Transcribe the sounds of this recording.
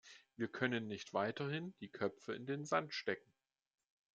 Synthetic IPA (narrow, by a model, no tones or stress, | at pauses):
viːɐkʰœnənːɪçtv̥aɪtɐhɪnd̥iːkʰœpp͡fəɪ̰ndeːnzantʃtɛkŋ̩